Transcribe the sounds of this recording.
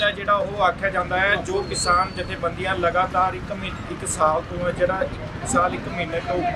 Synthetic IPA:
aːd͡ʒeːɽaːoːaːkʰːjaːd͡ʒãːnd̪aːɦɛːd͡ʒoːkɪsaːnd͡ʒɪt̪ʰːẽːbənd̪ɪjãːləɡaːt̪aːɾɪkmɪ | ɪksaːlt̪õːɛ̃ːd͡ʒeːɽaːɪk | saːlɪkmɪnəʈoː

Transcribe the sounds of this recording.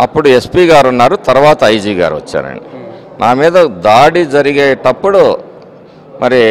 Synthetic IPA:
ɐpːuɽue̞spiːɡaːɾunːaːɾut̪ɐɾuʋaːt̪ɐɐjd͡ʒiːɡa̰ːɾuʋɐ̰t͡ʃːa̰ːɾɐ̰ɳɖi | nʔaːmiːd̪ɐd̪aːɽid͡ʒɐɾiɡeːʈɐpːuɽu | mʔɐɾi

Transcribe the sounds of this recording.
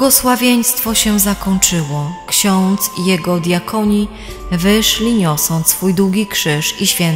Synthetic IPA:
bɡɔswavʲjeɲst̪fɔɕɛzakɔɲt͡ʂɘwɔkɕɔ̃nt̪sijɛɡɔd̪ʲjakʰɔɲi | vɘʂlʲiɲɔsɔ̃nt̪sfujd̪uɡʲikʂɘʂiɕfʲjɛn

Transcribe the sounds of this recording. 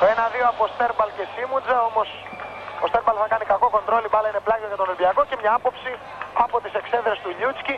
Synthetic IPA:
oe̞nɐðioɐpo̞st̪e̞ɾpɐlce̞simud͡zɐo̞po̞s | ost̪epɐlθɐkɐnikɐko̞ko̞nd̪ɾo̞lipɐlɐineplɐʝoʝɐt̪o̞nelbiɐko̞cemɲɐɐpo̞psi | ɐpo̞t̪ise̞kse̞ðɾest̪uɲut͡sci

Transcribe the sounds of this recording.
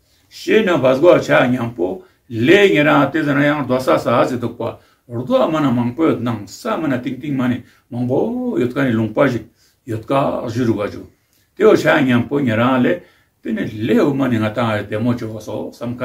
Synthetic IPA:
ʃenãβasɡʷat͡ʃaɲãmpo | leɲẽɾãt̪ezaɾãjaŋɾd̪wasasazit̪okʷa̰ | ɾd̪wamãnãmãŋpojot̪nãŋsamãnãt̪iŋt̪imãnĩ | mãŋbojot̪̚kanĩlũŋpaʒi | jot̪kaʒiɾuɡat͡ʃu | t̪eot͡ʃaɲãmpoɲãɾãle | t̪inĩleumãnĩŋat̪ãt̪emõt͡ʃososamka

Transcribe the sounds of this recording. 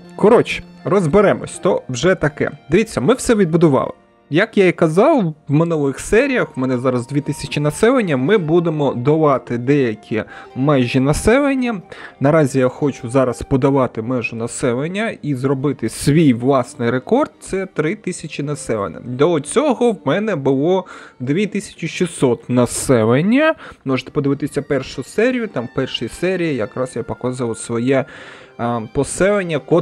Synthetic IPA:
kɔɾɔt͡ʃi̥rɔzbeɾɛmɔ̰sʲt̪ɔwʒɛt̪ɐkɛ̰d̪ɪʋʲit͡sʲːɐmɪwsɛʋʲid̪̚bʊd̪ʊʋɑ̰lˠɪ̰ | jɐkjaikɐzɑwwmɪnulˠɪxsɛɾʲijɐxmɛnɛzɑɾɐzd̪ʲʋʲit̪ɪsʲɐt͡ʃinɐsɛlˠenʲːɐmɪbud̪emɔd̪ɐʋɑt̪ɪd̪ɛjɐkʲʰimɛʒʲinɐsɛlˠenʲːɐnɐɾɑzʲijaxɔt͡ʃʊzɑɾɐspɔd̪ɐʋɑt̪ɪmɛʒʊnɐsɛlˠenʲːɐizrɔbɪt̪ɪsʲʋʲijʋlˠɑsnɪjɾekɔrd̪̚t̪sɛt̪ɾɪt̪ɪsʲɐt͡ʃinɐsɛlḛnɛ̰d̪ɔt͡sʲɔɦɔwmɛnɛbʊlˠɔd̪ʋʲit̪ɪsʲɐ̥t͡ʃʲɪʃʲisɔt̪nɐsɛlenʲːɐmɔʒe̥t̪ɛ̥pɔd̪ɪʋɪt̪ɪsʲɐpɛrʃʊsɛɾʲijʊt̪ɑmpɛrʃɪjisɛɾʲijijɐkɾɑsjapɔkɑzʋɐsʋɔjɛ | pɔsɛlˠenʲːɐkɔ

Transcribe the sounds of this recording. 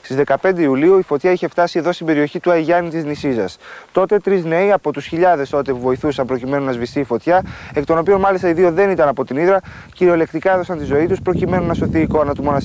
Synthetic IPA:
st̪izðe̞kɐpe̞nd̪eiuliuifo̞t̪çɐiçe̞ft̪ɐsie̞ðo̞st̪imbe̞ɾio̞çit̪uɐʝɐnit̪iznisizɐst̪o̞t̪e̞t̪ɾizne̞iɐpo̞t̪usçiʎɐðe̞st̪o̞t̪epuvo̞iθusɐmpɾo̞cime̞nunɐzvist̪iːfo̞t̪çɐe̞kt̪o̞no̞pio̞nmɐlist̪ɐiðio̞ðe̞nit̪ɐnɐpo̞t̪iniðɾɐ | ciɾio̞le̞kt̪ikɐe̞ðo̞sɐnt̪izo̞it̪uspɾo̞cime̞nunɐso̞θiːko̞nɐt̪umo̞nɐsi

